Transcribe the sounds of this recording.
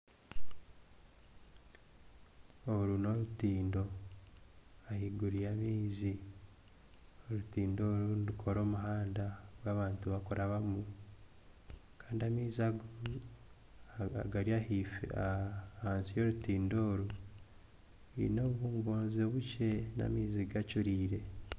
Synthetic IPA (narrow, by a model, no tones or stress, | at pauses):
oɾuno̞ɾutiːndo̞ | ahiɡuɾijamiːzi | oɾutiːndo̞ːɾuunɾukʰo̞ɾo̞ːmuɦaːndaβwaːβaːntuβakoɾaβamu | kaːndiamiːziaɡ | ɡaɾiahif | haːnsijo̞ɾutiːndo̞ːɾu | ḭno̞ββuːŋɡoːnzoβuce̞na̰miːziɡat͡ʃuɾiːɾe̞